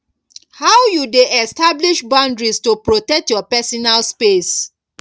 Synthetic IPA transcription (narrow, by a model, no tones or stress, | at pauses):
hawjudeɛstabliʃbãndɹistopɹotɛk̚tjɔpɛsɔnalspes